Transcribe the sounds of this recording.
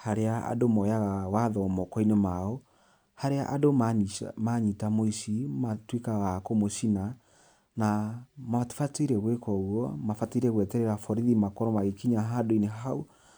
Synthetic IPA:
haɾeaa̰domɔjaɣawaðɔmɔkɔinemaɔ | haɾea̰ʔadomamaɲitamoiʃimatwekaɣakomoʃina | namati̥fateiɾɛɣwekɔɣwɔmafateiɾɛɣwɛtɛɾɛɾafɔɾiðimakɔɾɔmaɣekiɲaɦadoineɦau

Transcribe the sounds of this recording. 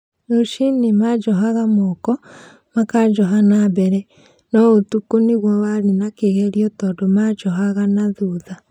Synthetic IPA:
noʃinemad͡ʒɔɦaɣamokɔ | makad͡ʒɔɦanabɛɾɛ | nɔotukoniɣwɔwaɾenakeɣɛɾiɔtɔːdomad͡ʒɔɦaɣanaðuða

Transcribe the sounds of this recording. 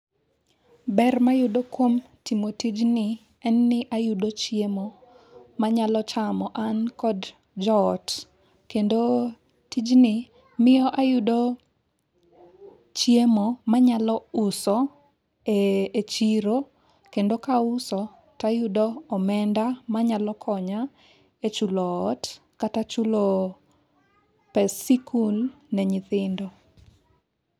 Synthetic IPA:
bɛrmajʊdokwom | timotid͡ʒnɪ | ɛnːɪʔajʊdot͡ʃjemo | maɲalɔt͡ʃamɔʔankɔd | d͡ʒɔɔt | kendo | tid͡ʒnɪ | mɪjɔʔajʊdo | t͡ʃjemomaɲalɔʊsɔ | eet͡ʃiɾo | kendokaʊsɔ | tajʊdɔːmɛndamaɲalɔkʰɔɲa | et͡ʃulɔːt | katat͡ʃʊlo | pɛsikʰul | nɛɲɪt̪ɪndɔ

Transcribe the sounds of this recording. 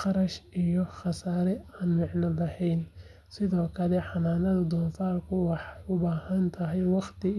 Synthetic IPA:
qɑɾɐʃijɔχɑsaːɾɛaːnmɑʕnɐlɐhɛjn | sɪðɔːkʰɐlɛħɑnaːnɐðɐd̪ɔːnfaːlkʰʊwɑħʊbaːhɐnt̪ʰɐɦɛjwɑχt̪ʰɪ

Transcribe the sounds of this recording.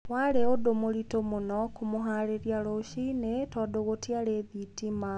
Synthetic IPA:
waɾeodomoɾitomonɔkumoɦaːɾeɾjaɾoʃinetɔːdoɣotjaɾeðitima

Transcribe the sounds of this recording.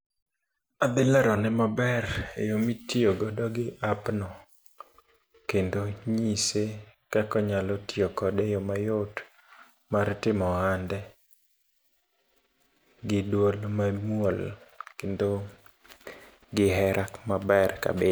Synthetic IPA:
ad̪ɪlaɾɔnɛmabɛrjomitioɡɔdɔɡɪʔapnɔ | kendoɲisekakɔɲalɔtiokɔdejɔmajot | martɪmɔandɛ | ɡɪdwolmamwolkendo | ɡɪɦɛɾʔakmabɛrka̰be

